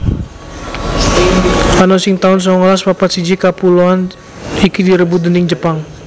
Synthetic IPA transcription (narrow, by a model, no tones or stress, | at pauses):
anosɪŋt̪aʊns̬ɔŋɔlaspapat̪sid͡ʒikapuloan | ikidiɾəbudənɪŋd͡ʒəpaŋ